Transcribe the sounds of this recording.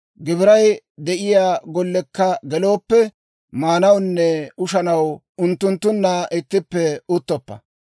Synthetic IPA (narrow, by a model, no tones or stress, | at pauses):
ɡɪbɪɾɐj | d̪ɛʔɪjaːɡɔlːɛkːɐɡɛlo̞ːpːɛ | maːnɐwnːɛʊʃɐnɐw | ʊnt̪ːʊnt̪ːʊnːaːʔɪt̪ːɪpːɛʊt̪ːɔpːɐ̰